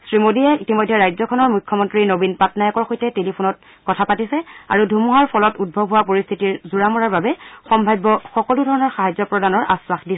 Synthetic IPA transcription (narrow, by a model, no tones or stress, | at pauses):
sɹimodiɛitimojdʱːɛɹajzɔkʰɔnɔɹmujkʰːɔmɔntɹinobinpatnajɔkɔɹxojtɛtelipʰonɔt̚ | kɔtʰapatisɛa̰ɹudʱumuɦaɹpʰɔlɔtud̚bʱɔbʱɦʊwapoɹist̪ʰitiɹzuɹamɔɹaɹbabɛxɔmbʱajbːɔxɔkɔludʱɔɹɔnɔɹxaɦajzɔpɹɔdanɔɹʔa̰swaxdis